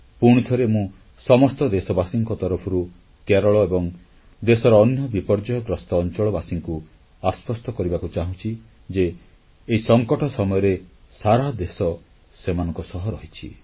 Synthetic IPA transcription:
puɽ̃it̪ʰɔɾemũ | sɔmɔst̪ɔd̪esɔbasiŋkɔt̪ɔɾɔpʰɔɾu | keɾɔɭɔebɔŋ | d̪esɔɾɔːnjɔbipɔɾd͡ʒɔjɔɡɾɔst̪ɔːnt͡ʃɔɭɔbasiŋku | aspʰɔst̪ɔkɔɾibakut͡ʃaɦũt͡ʃʰi | d͡ʒeː | isɔŋkɔʈɔsɔmɔjɔɾesaɾad̪esɔ | semanɔ̃ŋkɔsɔɦɔɾɔɦit͡ʃʰḭ

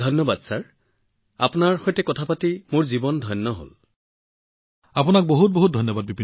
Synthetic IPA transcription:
dʱɔnːɔbadsaɹ | a̰pʊnaɹxɔjtɛkɔtʰapatimoɹzibɔndʱɔjnːɔɦo̰l | apunak̚boɦut̚boɦut̚dʱɔjnːɔbad̚bibʱi

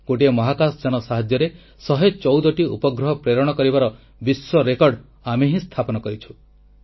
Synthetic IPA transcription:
ɡ̥oʈiemɔɦakasd͡ʒañɔsaɦad͡ʒjɔɾe | sɔɦet͡ʃɔwd̪ɔʈiṵpɔɡɾɔɦɔpɾeɾɔɽ̃ɔkɔɾibaɾɔ | biswɔɾekɔɾɖ | ameɦĩst̪ʰapɔnɔkɔɾit͡ʃʰu̥

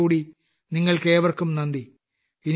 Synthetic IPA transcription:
uːɽi | niŋːɐɭkeːʋɐrkumnɐnd̪i | in

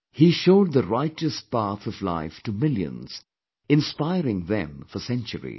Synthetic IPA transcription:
hiʃoʊd̪̚ðəɾaɪt͡ʃɨs̚pæθʌvla̰ɪfʈɨmɪlˠjɨ̰̃nz̥ | ɪ̃nspaɪɾɪ̃ŋðɛ̰̃mfəsɛ̃nt͡ʃə̰ɾḭ̥

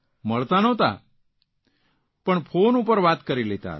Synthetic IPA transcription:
məɭt̪anət̪a̰ | pəɳfʰonupəɾʋat̪kəɾilet̪a̰t̪

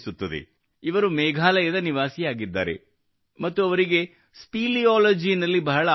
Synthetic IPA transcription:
sut̪ːɐd̪ḛ | iʋɐɾumɛːɡʱaːlɐjɐd̪ɐniʋaːsijaːɡid̪ːa̰ːɾe̞̰ | mɐt̪ːuɐʋɐɾiɡe̞ | spiːliaːlɐd͡ʒinɐlːibɐɦɐɭɐ

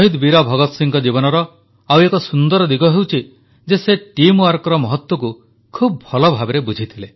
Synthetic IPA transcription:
ɦid̪biɾɔbʱɔɡɔt̪siŋkɔd͡ʒibɔnɔɾɔ | awekɔsund̪ɔɾɔd̪iɡɔɦewt͡ʃʰi | d͡ʒeseʈimwaɾkɔɾɔmɔɦɔt̪wɔku | kʰub̚bʱɔlɔbʱabeɾebud͡ʒʱit̪ʰile

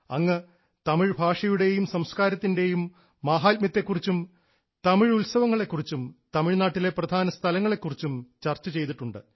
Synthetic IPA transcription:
ɐŋːɐ | t̪ɐmiɻbʱaːʂɐjuɽe̞jumsɐmskaːɾɐt̪ːinde̞jumː | aːɦaːt̪mjɐt̪ːe̞kːurit͡ɕːum | t̪ɐmiɻulsɐʋɐŋːɐɭe̞kːurit͡ɕːumt̪ɐmiɻnaːʈːile̞prɐd̪ʱaːnɐst̪ʰɐlɐŋːɐɭe̞kːurit͡ɕːumt͡ɕɐrt͡ɕːɐt͡ɕe̞jt̪iʈːuɳɖɨ

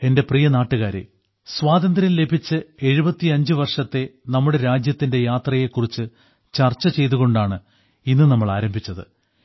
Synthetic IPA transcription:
e̞nde̞prijɐnaːʈːuɣaːɾḛ | swaːd̪ɐnd̪ɾɐnle̞bʱit͡ɕːɨe̞ɻubɐt̪ːiɐɲd͡ʑɨʋɐrʂɐt̪ːe̞nɐmːuɽe̞ɾaːd͡ʑjɐt̪ːinde̞jaːt̪rɐje̞kːurit͡ɕːɨ | t͡ɕɐrt͡ɕːɐt͡ɕe̞jt̪uɣo̞ɳɖaːɳɨ | inːɨnɐmːɐɭaːɾɐmbʱit͡ɕːɐðɨ̰

